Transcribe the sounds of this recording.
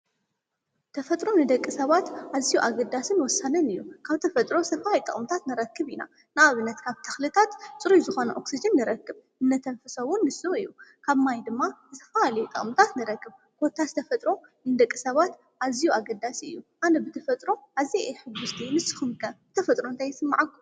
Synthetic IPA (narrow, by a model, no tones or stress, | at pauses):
t̪ʰɐfɐt̪ʼɾo̞nɨd̪ɐkʼːɨsɐβat̪ʔazijuʔaɡɐd̪asɨnwɔsːanɐnɨjːukʰaβt̪ʰɐfɐt̪ʼɾo̞sɐfaajt̪ʼɨ̰χʼmɨt̪ʰat̪nɨɾɐkʰːɨβina̰ | nɨaβɨnːɐt̪kʰaβt̪ʰɐ̥xlɨt̪ʰat̪t͡sʼɨɾuzɨxo̞nɐʔoksid͡ʒɨnːɨɾɐkːɨβʔɨnːɐt̪ʰɐnfɨsɐwʊnːɨsɨɨjːukʰaβmajd̪ɨmːazɨt̪ʰɐ̥faalɐjt̪ʼɐ̰χʼmɨt̪ʰat̪nɨɾɐkːɨβ | kʰo̞t̪ʰazɨt̪ʰɐfɐt̪ʼɾo̞ | nɨd̪ɐkʼːɨsɐβat̪ | ʔazijuaɡɐd̪asiɨ̰jːuʔanɐbɨt̪ʰɐfɐt̪ʼɾo̞ʔazieħɨbʊst̪ʰinɨsɨ̥xɨmkʰɐbɨt̪ʰɐfɐt̪ʼɾoɨnt̪ʰajsɨmːaʕakːu̥